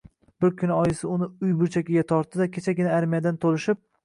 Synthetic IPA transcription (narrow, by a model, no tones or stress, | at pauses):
b̥ɪɾkʲʰʊnɒjɪsɪʊnɪʊjbʊɾt͡ʃʰakʲɪɡʲat̪ʰɒɾt̪ːɪd̪akʲʰet͡ʃʰaɡʲɪnɪaɾmijad̪ant̪ʰolɪʃɪp̚